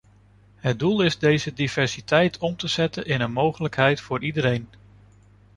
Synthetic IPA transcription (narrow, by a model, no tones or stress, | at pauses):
ɦət̚dulˠɪzdejzədivɛɹsitɛjtʰɔmtəz̥ɛtənʔɪnənmowχələkɦɛjtfʊːɹidəɾejn